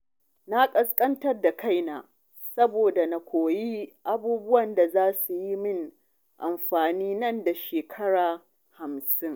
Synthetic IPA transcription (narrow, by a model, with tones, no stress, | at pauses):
na˦kʼɐ˦skʼɐ˦ntɐ˦rda˨kʰa˦˨jnaː˨ | sɐ˦boː˨da˨na˨kʷoː˨ji˦ʔa˦buː˦bʊ˦wɐ˨nda˨zaː˦su˨ji˦mɪ˦ŋ | ʔa˨mɸaː˨niː˦nɐ˦nda˨ʃeː˨kʰɐ˦ɽaː˨ | ha˨msɪ˦ŋ